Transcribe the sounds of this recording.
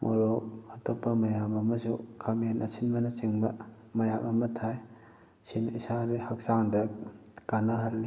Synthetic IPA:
mʔo̰ɾokɐtopːɐmɐjamɐmɐsukʰamenʔɐsinbɐnɐsiŋbɐ | mɐjamɐmɐtʰaj | sinisaɾihɐk̚saŋdɐkanaɦɐlːi

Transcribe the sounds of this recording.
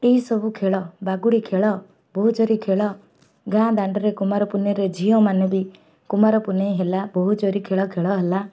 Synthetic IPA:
eɦisɔbukʰeɭɔbaɡuɽikʰeɭɔ | bɔɦud͡ʒɔɾikʰeɭɔ | ɡãd̪aɳɖɔɾekumaɾɔpunɔɾed͡ʒʱiɔmanɔbi | kumaɾɔpunejɦelabɔɦud͡ʒɔɾikʰeɭɔkʰeɭɔɦela

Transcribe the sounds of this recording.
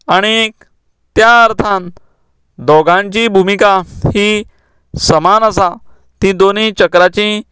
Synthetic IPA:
aɽ̃i | t̪jaəɾt̪ʰãn | d̪ɔɡãɲt͡ɕĩːbʱumikahiː | səmanəsa | t̪ĩːd̪onit͡ɕəkɾat͡ɕĩ

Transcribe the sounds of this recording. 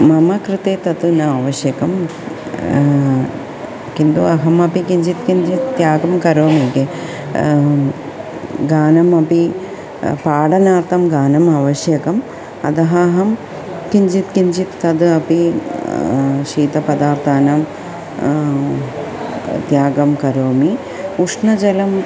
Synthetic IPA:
mɐmɐkɾɨt̪eːt̪ɐt̪unɐɐʋɐʃjɐkɐm | kind̪uɐɦɐmɐpikiɲd͡ʒit̪kiɲd͡ʒit̪t̪jaːɡɐmkɐɾoːmiːke | ɡaːnɐmɐpi | paːɽɐnaːɾt̪ʰɐmɡaːnɐmɐʋɐʃjɐkɐm | ɐ̰d̪ɐɦɐːɦɐm | kiɲd͡ʒit̪kiɲd͡ʒit̪ːɐd̪ɐpi | ʃiːt̪ɐpɐd̪aːɾt̪ʰaːnɐm | t̪jaːɡɐmkɐɾoːmi | uʂnɐd͡ʒɐlɐm

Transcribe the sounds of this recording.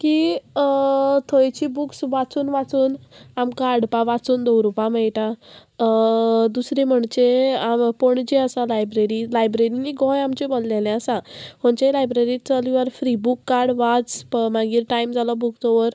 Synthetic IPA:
ki | t̪ʰɔjt͡ɕibuksʋat͡suːnʋat͡suːnamkaːɽpaʋat͡suːnd̪owɾupãmejʈa | d̪usɾim̤əɳt͡ɕeampɔɳd͡ʑiəsalajbɾeɾilajbɾeɾiniɡɔ̃jamt͡ɕebollɛlɛ̃əsãhɔɳt͡ɕlajbɾeɾit͡səliʋaɾfɾibukːaɾɽʋat͡smaɡiːɾʈaimd͡zʱalɔbuksɔʋəɾ

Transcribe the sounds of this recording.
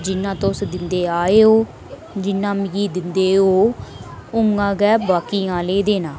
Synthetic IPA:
d͡ʒɪnːãːt̪osd̪ɪnd̪eːaːeːɦoː | d͡ʒɪnːãːmɡiːd̪ɪnd̪eːɦoː | ʊŋɡãːɡɛːbaːkiːãːleːd̪eːnãː

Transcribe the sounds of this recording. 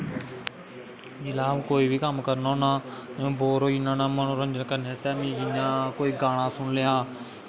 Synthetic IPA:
d͡ʒɪlaːmkoːiːbiːkəmkəɾnoːnaːõːboːɾoːd͡ʒɪnãːnãːmənũːɾənd͡ʒənkəɾneːt̪ɛːmĩːd͡ʒɪnãːkoːiːɡaːɽ̃ãːsʊɳlɪjaː

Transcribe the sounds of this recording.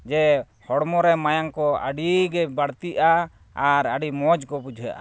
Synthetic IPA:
d͡ʒɛ | hɔɽmɔɾɛmajaŋkɔa̰ɖiɡɛbaɽt̪iʔa | aɾaɖimɔd͡ʒkɔbud͡ʒʱja̰ʔa̰

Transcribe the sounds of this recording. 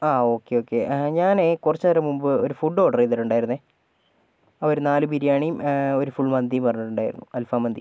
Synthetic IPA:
aːo̞ːkːeoːkːeɲaːnekurɐt͡ɕːɐɐɾɐmumbɨoɾufuɖo̞ːɖɐreðiʈːuɳɖaːjiɾunːe | ɐʋɐɾunaːlɨbiɾijaːɳijmo̞ɾufuɭmɐnd̪ijumpɐrɐɲːuʈːuɳɖaːjiɾunːuɐlfaːmɐnd̪ḭ

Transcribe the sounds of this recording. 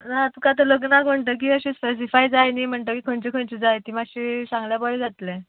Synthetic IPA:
nat̪ukat̪ələɡnakm̤əɳt̪əːk̬iːəɕẽspes̬ifajd͡zajnim̤əɳt̪əkikʰəɳt͡ɕikʰəɳt͡ɕid͡zajt̪imaɕisãŋɡljabɔɭed͡zat̪le

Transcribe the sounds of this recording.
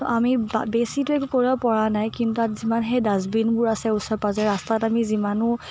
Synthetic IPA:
tɔʔamibesitʊɛkukoɹiapɔɹanajkintutatzimanɦɛdazbinbʊɹasɛusɔpazɛɹastatamizimanʊ

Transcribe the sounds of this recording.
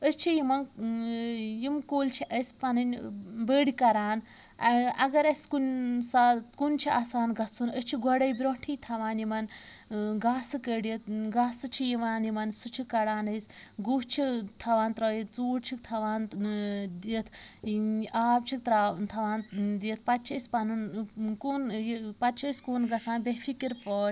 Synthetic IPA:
əst͡ʃʰijimɐn | jimkoːlt͡ʃʰiʔɐsʲpɐnɐnʲbeːɽikɐɾaːn | ɐɡɐɾɐskunsakunt͡ʃʰiʔaːsaːnɡɐt͡sʰunət͡ʃʰiɡɐɽɐjbɾõːʈʰijt̪ʰɐʋaːnjimɐn | ɡaːsɨkəɽit̪ʰɡaːsɨt͡ʃʰijiʋaːnimɐnsut͡ʃʰikɐɽaːnɐsɡut͡ʃʰit̪ʰɐʋaːnt̪ɾɐːjit̪̚ʰt͡suːɽt͡ʃʰikt̪ʰɐʋaːn | d̪iət̪ʰ | aːbt͡ʃʰik̚t̪ɾat̪ʰɐʋaːnd̪iət̪̚ʰpɐt̪t͡ʃʰɐspɐnunkuːnpɐt̪̚t͡ʃʰɐskuːnɡɐsaːnbefʰikiɾpɔːɾ

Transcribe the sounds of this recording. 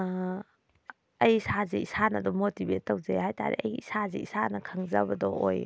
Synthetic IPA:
ɐjisazeisanɐdɔmotibet̚ːɐwzejhajta̰ɾḛʔɐ̰jisazḛisanɐkʰaŋzabɐdɔ̰ʔoj

